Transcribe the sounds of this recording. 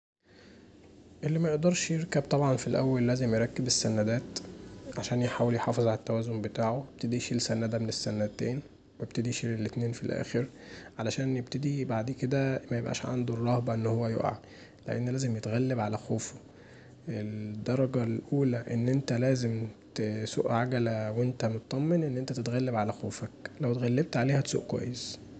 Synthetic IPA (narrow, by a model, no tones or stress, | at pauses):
ʔelːimæjeʔd̪ɑɾˤʃjeɾkæb̚t̪ˤɑbʕɑnfilʔæ̰wːælːæːzemjeɾˤɑkːebesːænæd̪æːt̪ʕaʃæːnjeħaːweljħɑːfezˤʕalæt̪ːæwæːzombet̪aːʕoeb̥̚t̪ed̪iʃiːlsænːæd̪æmenesːænæt̪eːn | web̚t̪ed̪iʃilelːet̪neːnfilʔæ̰ːxeɾ | ʕalæʃæːnjeb̚t̪ed̪ibaʕd̪iked̪æmæjebʔæ̰ːʃʕa̰nd̪urˤːɑhbɑʔenːhowːæjo̰ʔʕa̰ | leʔḛnːælæːzemjet̪ɣælːebʕalæxoːfo̥ | ʔeld̪ːɑɾˤɑɡɑlʔuːlæʔenːʔent̪ælæːzemt̪sṵːʔʕaɡælæwent̪æmot̪ɑt̪ˤːɑmːenʔenːʔent̪æt̪et̪ɣælːebʕalæxoːfæklæwt̪ɣælːeb̚t̪ʕaleːhæso̰ːʔkwæ̰jːes